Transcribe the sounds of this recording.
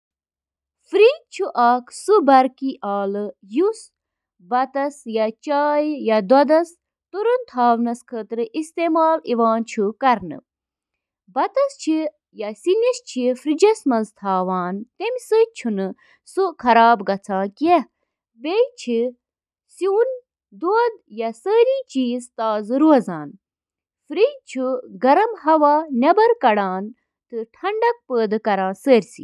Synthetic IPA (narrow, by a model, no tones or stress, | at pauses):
fɾiːd̪̚t͡ʃʰuʔaːksɨbɐɾkiʔaːlɨjus | bɐt̪ɐsjɐt͡ʃaːjjɐd̪wɐd̪ɐs | t̪uɾunt̪ʰaːʋnɐskʰət̪ɾɨʔist̪eːmaːliʋaːnt͡ʃʰukɐɾnɨ̰ | bɐt̪ɐst͡ʃʰi | jasinist͡ʃʰifɾid͡ʒɐsmɐnzt̪ʰaːʋaːnt̪emʲsɨt͡ʃʰunɨ | sɨkʰɐɾaːbɡɐt͡sʰãːke | bejt͡ʃʰi | sin | d̪oːd̪jɐsəːɾĩːt͡ʃiːzt̪aːzɨɾuɐzaːn | fɾit͡ʃʰuɡɐɾɐmɦɐʋaːnʲɐbɐɾkɐɽaːn | t̪ɨʈʰɐɳɖɐk̚pəːd̪ɨkɐɾãːsəːɾʲsi